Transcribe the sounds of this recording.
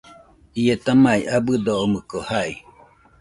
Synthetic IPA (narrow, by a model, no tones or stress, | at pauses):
ijet̪amajʔabɨd̪oomɯkohai